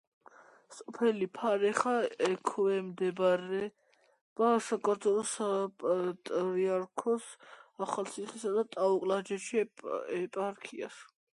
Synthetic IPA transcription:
sʼɔpʰɛlipʰaɾɛχaɛkʰɔɛmd̪ɛbɾɛ | b̥asakʼɔɾzʰʼɔɾɔsapʼat̪ʼɾiaɾkʰɔsaχalsʰiχisad̪at̪ʼauqʼlad͡ʒɛʃiɛpʼaɾkʰia̰s

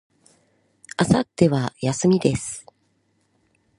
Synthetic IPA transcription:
asat̪ːe̞βajasɨmʲid̪e̞sɨ̥

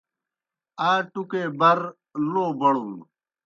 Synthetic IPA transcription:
aːʈukeːbɐɾ | loːbɐɽũ

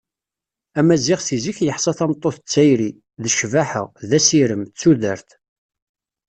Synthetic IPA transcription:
æmæzɪʁθiziçjəħsˤɑθæmt̪ˤːoθət͡sːæjɾi | ðəʃvaħə̰ʁðæsiɾəmt͡sːuðəɾθ

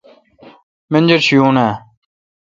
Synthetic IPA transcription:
mend͡ʑɐɾɕijuːnaː

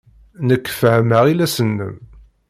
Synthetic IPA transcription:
nəkːfhəməʁilæsənːə̰m

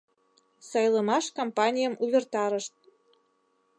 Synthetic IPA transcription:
sɑjləmɑʃkompɑnʲijəmʔuβʲert̪ɑɾəʃt̪̚

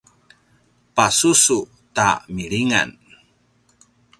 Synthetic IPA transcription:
pasusu | ta̰miɭiŋa̰n

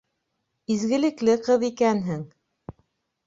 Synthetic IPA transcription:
izɡɘ̆lɘ̆klɘqɤðikænɦɘŋ

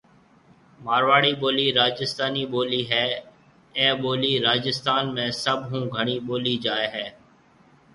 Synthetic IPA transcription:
maːɾʋaːɽiːɓoːliːɾaːd͡ʒɪst̪aːniːɓoːliːɦɛː | ɛ̃ːɓoːliːɾaːd͡ʒɪst̪aːnmẽːsəbʱɦũːɡʱəɽ̃iːɓoːliːd͡ʒaːeːɦɛː

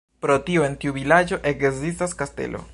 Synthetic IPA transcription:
pɾo̞tioe̞ntiuvilad͡ʒo̞ʔe̞kzis̬taskaste̞̰lʔo̞̰

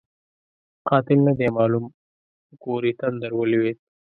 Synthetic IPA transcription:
qɑt̪ɪlnad̪emɑːlum | ɡoɾit̪and̪əɾwəliwet̪̚

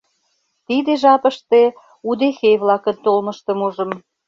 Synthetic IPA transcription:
t̪id̪eʒɑpə̆ʃt̪e | ud̪exejβlɑkənt̪olmə̆ʃt̪ə̆muʒə̆m

